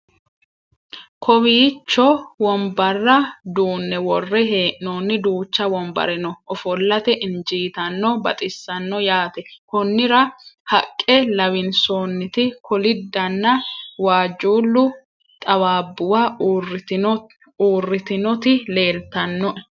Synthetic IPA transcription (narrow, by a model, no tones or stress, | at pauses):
kʰɔwiːt͡ʃːɔwɔmbɐrːɐd̪uːnːɛwɔrːɛɦe̞ːʔnoːnːɪd̪uːt͡ʃːɐwɔmbɐ̰ɾɪnɔʔɔfɔlːɐt̪ɛʔɪnd͡ʒiːt̪ɐnːɔbɐ̰t̪ʼɪsːɐnːɔjaːt̪ɛkɔnːɪɾɐhɐkʼːɛlɐwɪnsoːnːɪt̪ɪkʰɔlɪd̪ːɐnːɐwaːd͡ʒuːlːʊ | t̪ʼɐwaːbːʊwa | uːrːɪt̪ɪnɔt̪ɪle̞ːlt̪ɐnːɔʔɛ